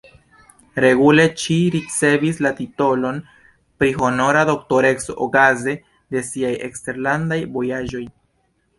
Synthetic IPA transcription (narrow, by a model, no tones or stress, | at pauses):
ɾe̞ɡule̞t͡ʃiɾit͡se̞vislat̪ito̞lo̞n | pɾiɦo̞no̞ɾado̞kto̞ɾe̞ksookaze̞ | d̪e̞siajekst̪e̞ɾland̪ajvo̞jaʒo̞j